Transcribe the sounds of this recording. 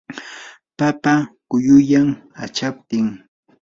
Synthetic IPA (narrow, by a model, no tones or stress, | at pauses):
papakʊjʊjamat͡ʃap̚t̪ɪŋ